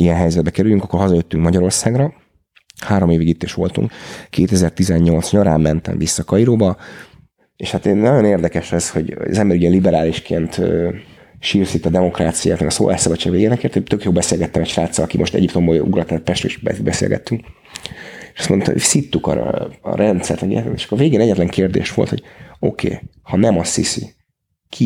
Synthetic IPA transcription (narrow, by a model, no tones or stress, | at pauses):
ijɛnɦɛjzɛd̪̚bɛkɛɾylyŋkɒkːorɦɒzɒjøt̪ːyŋkmɒɟɒɾo̞rsaːɡrɒ | haːɾo̞meːveːɡit̪ːeːʃʋo̞̰lt̪ṵŋkkeːt̪ɛzɛrt̪izɛɲɲo̞lt̪sɲɒɾaːmːɛnt̪ɛ̰ɱvisːɒkɒiɾoːbɒ | eʃhat̪eːnnɒɟo̞neːrd̪ɛkɛʃɛsho̞ɟo̰ɒ̰zɛmbɛɾyɟɛlibɛɾaːliʃkeːnt̪ː | ʃirsit̪ːɒd̪ɛmo̞kraːt̪sija̰ːt̪mɛɡɒso̰ːlʔaːʃsɒbɒt͡ʃːaːɡveːjenɛkeːrt̪ot̪økjoːlbɛseːlɡɛt̪ːɛmɛʃraːt̪sːɒlɒkimo̞ʃt̪ɛ̰ɟipt̪o̞mboṵɡrɒt̪ɛt̪̚pɛʃt̪ɾoiʃbɛ̰ibɛsḛlɡɛ̰t̪ːyŋk | eʃɒ̥st̪mo̞nt̪o̰sit̪ːukɒ̰ɾ̰ɒ̰ɾɛnt̪sɛ̰rt̪mɛɡḛɛeʃkːorveːɡeːnɛɟːɛt̪lɛŋkeːrd̪ḛːʃʋo̞̰lt̪ho̞ɟ̥o̞̰kʰḛː | hɒnɛmɒsḭsḭ | kʰi